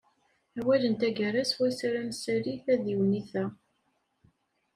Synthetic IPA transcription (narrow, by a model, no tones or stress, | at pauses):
æwælənt̪æɡæɾæswæsaɾæmsæɾiθæðiwniθæ